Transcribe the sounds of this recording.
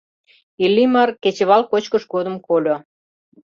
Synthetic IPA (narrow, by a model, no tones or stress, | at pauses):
ilʲːimɑrket͡ɕə̆βɑlkot͡ɕkəʃɡod̪əmkolʲo